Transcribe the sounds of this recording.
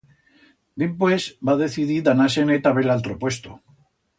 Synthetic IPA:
b̪empwesbaðe̞θiðiðanasenet̪aβelalt̪ɾopwe̞st̪o

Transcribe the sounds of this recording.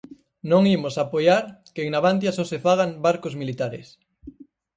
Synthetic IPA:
nõŋimosapojaɾkeŋnaβant̪̬jasosefaɣ̞ambaɾkozmilit̪aɾɪ̰s

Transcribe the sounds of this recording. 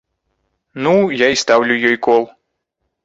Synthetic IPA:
nujaist̪awlʲujɔjkɔlˠ

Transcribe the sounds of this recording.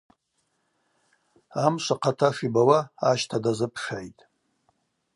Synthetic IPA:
amʃʷaqʰatʰafibawaːʃtʰadazɨpʰʂajtʼ

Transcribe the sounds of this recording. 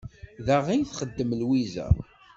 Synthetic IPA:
ðaʁijθχəd̪ːəmlwizæ̰

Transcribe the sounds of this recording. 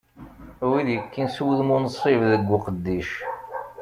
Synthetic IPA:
wiðjəkːinswəðmʊnəsˤɾivðəɡʷːʊqəd̪ːiʃ

